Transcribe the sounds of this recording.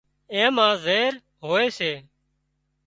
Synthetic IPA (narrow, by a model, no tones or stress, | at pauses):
ẽːmãːzeːɾ | ɦoːeːseː